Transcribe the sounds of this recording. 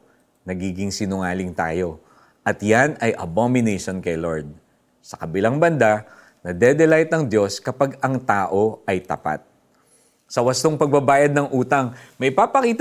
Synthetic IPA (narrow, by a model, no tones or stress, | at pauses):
nɐɡiːɡɪŋsɪnʊŋaːlɪŋt̪a̰ːjo̞ | ʔɐt̪janɐjʔɐbomɪnɛjʃonkɐjloɹd̪̚ | sɐ̥kɐbɪlaŋbɐnd̪a | nɐd̪ɛd̪ɛlajt̪nɐŋd̪jo̞skɐpaɡɐŋt̪aːʔo̞ʔɐjt̪ɐ̰pa̰t̪̚ | sɐwɐst̪oŋpɐɡ̚bɐbaːjɐd̪̚nɐŋʔuːt̪ɐŋmɐjpaːpɐkiːt̪